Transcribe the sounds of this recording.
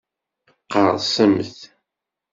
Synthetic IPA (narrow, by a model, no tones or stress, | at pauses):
qɑɾsæmθ